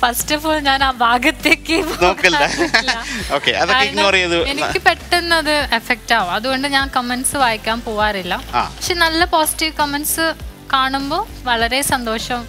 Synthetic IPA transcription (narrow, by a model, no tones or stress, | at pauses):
fɐstɐfoːɭɲaːnaːbʱaːɡɐt̪ːeːkːɨponoːkːilaːɐilːɐoːkːḛɐðoːjikɐrɐjɐðɨenikʲːɨpe̞ʈːenːɐðɨefek̚taːʋoɐðuɣo̞ɳɖɨɲaːnkɐmenɖsɨʋaːjikʲːaːnpoːʋaːrilːɐa̰ːpɐkʂeːnɐlːɐpoːsi̥tiʋkɐmenɖsɨkaːɳumbo̞ː | ʋɐɭɐɾe̞sɐnd̪o̞ːʂɐm